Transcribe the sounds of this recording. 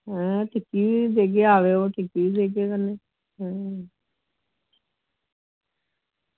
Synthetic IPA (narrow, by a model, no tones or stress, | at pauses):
ɦɛ̃ːʈʰɪkːiːd̪eːk̬eːaːʋeːoːʈʰɪkiiːd̪eːk̬eːkəneː | ɦɛ̃ː